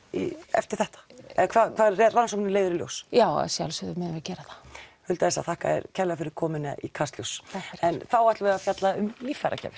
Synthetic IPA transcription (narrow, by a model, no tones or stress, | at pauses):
ḭɛ̰ft̪ɪɾ̥θɛht̪ḁɛðkʰvaːðkʰvaːðrɛɾvansɔmɪnɪleːjðʏɾɪljo̰wsjaːwɛ̰sjaalsœðmɛɪðɛɾcɛːɾaθḁhʏlt̪aðɛsaθahka̰ɛ̰ɾcʰɛlafɪɾɪɾ̥kʰɔːmɪna̰ʔḭkʰast̪ljowsɛnθawaht̪vɛɣafjat̪laʏmmifaɾa̰cʰɛ̰ːvɪɾ̥